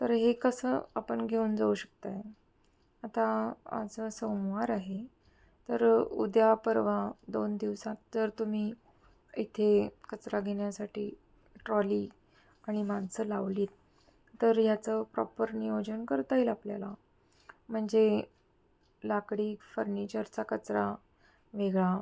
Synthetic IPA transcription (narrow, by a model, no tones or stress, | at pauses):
t̪əɾɦekəsəapəɳɡʱeuːnd͡zauɕə̥k̚t̪aje | at̪aa̰t͡səsəwmʋaɾaɦe | t̪əɾṵd̪japəɾʋad̪ond̪iʋsãt̪̚d͡zəɾt̪um̤iː | it̪ʰekət͡sɾaɡʱeɳjasaʈiː | ʈɾɔliː | aɽ̃imansəlaʋliːt̪ː | əɾjat͡səpɾɔpəɾnijod͡ʑənkəɾt̪ailapljala | m̤əɳd͡ze | lakɽiːfəɾnit͡ɕəɾt͡sakət͡sɾa | ʋeɡɭa